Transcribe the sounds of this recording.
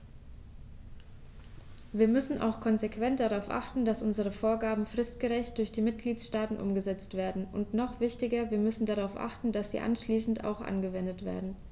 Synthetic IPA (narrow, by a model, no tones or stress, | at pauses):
viːɐmʏsn̩ʔa̰ʊxkʰɔnzekv̥ɛnt̚d̥aʁaʊfʔa̰χtn̩dasʔʊnzəʁ̞əfoːɐɡaːbm̩fʁ̥ɪstɡ̥əʁɛçt̚d̥ʊɐçd̥iːmɪt̚ɡ̥liːtsʃtaːtn̩ʔʊ̰mɡəzɛt͡stv̥eːɐdn̩ʔʊntnɔχv̥ɪçtɪɡɐviːɐmʏsn̩daʁaʊfʔa̰χtn̩d̥asz̥ḭːʔa̰nʃliːsn̩ta̰ʊxʔa̰nɡəvɛndətv̥ḛːɐdn̩